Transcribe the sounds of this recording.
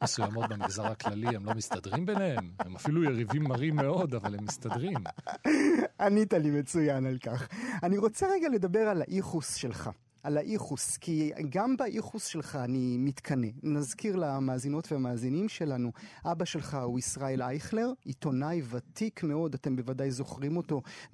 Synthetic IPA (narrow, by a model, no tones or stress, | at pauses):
mesujamo̞t̪̚bemiχzaʁhaklaliemlo̞mist̪ad̪ʁimbenehememafilujeʁivimːaʁimːe̞o̞d̪avalemːist̪ad̪ʁim | anit̪alime̞t͡sujanalkaχaniʁo̞t͡seʁeɡale̞d̪abe̞ʁalaʔiχusʃe̞lχa̰ | alaʔiχuskʰiɡambaʔiχusʃe̞lχaːnimitkʰane̞nazkiʁlamaːzino̞tveamaːzinimʃe̞lanuʔabaʃe̞lχauisʁae̞lajχleʁit̪o̞najvatʰikmeo̞date̞mbe̞vadajzo̞χʁimo̞to̞